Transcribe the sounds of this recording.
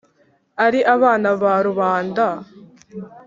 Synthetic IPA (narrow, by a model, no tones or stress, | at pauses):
ɐɾiʔɐβaːnɐβaːɾuβaːnd̪a